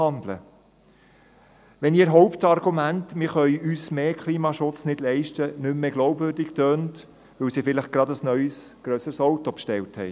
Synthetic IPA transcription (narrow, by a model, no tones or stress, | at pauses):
ɑndlə̰ | ʋɛniːɾɦɔʊptɑrɡumæntmɪɾχœʏyːsmeːkʰliːmɑʃʊt͡snɪd̥lɛɪʃtənʏmːeːɡlɔʊbvʏɾdɪktøːnt | ʋɵwsifɪlɪχɡ̥ɾɑdəsnœʏsɡ̥ɾœsəɾsɔwtopʃtɛwthɛɪ